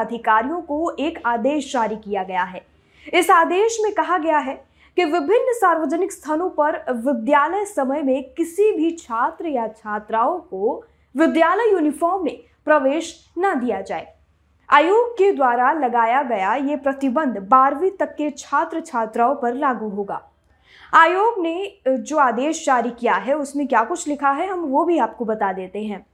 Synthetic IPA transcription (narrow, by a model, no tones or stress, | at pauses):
ɐd̪ʱɪkaːɾijõkoeːkaːd̪eːʃd͡ʒaːɾikijaɡɐjaɦɛː | ɪsaːd̪eːʃmẽkɐɦaɡɐjaɦɛ | kiʋɪbʱɪnːsaːɾʋəd͡ʒənɪkst̪ʰaːnõpɐɾʋɪd̪jaːləjsɐməjmẽkɪsibʱit͡ʃʰaːt̪ɾəjat͡ʃʰaːt̪ɾaːõko | ʋɪd̪jaːləjːuːnɪfɔːɾmːẽ | pɾɐʋeːʃ | nɐd̪ijad͡ʒaːḛː | aːjoːɡ̚ked̪waːɾalɐɡaːjaɡɐjajepɾɐt̪ɪbə̃nd̪ʱbaːɾʋit̪ɐkːet͡ʃʰaːt̪ɾət͡ʃʰaːt̪ɾaːõpɐɾlaːɡuɦoːɡa̰ː | aːjoːɡned͡ʒoːaːd̪eːʃt͡ʃaːɾikijaɦɛʊsmẽkjaːkʊt͡ʃʰlɪkʰaɦɛɦɐmʋobʱiaːp̚kobɐt̪ad̪eːt̪eɦɛ̃ː